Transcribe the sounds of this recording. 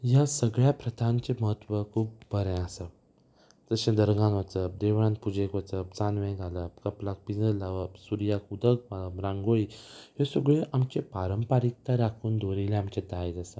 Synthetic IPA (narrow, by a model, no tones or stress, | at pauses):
jasəɡɭjapɾət̪ãɲt͡ɕeməɦət̪ːʋəkʰuːp̚bəɾɛ̃əsə | d͡zəɕẽd̪əɾɡãnʋət͡səp̚d̪eʋɽãn̚pud͡ʑẽkʋət͡səp̚t͡sanʋɛ̃ɡʱaləpkəplak̚pid͡zəlaʋəbsuɾjakud̪ək̚maəɾãŋɡoɭiɦesəɡɭeʔamt͡ɕepaɾəmpaɾik̚t̪aɾakʰuːnd̪oɾilẽamt͡ɕẽd̪ajd͡zasə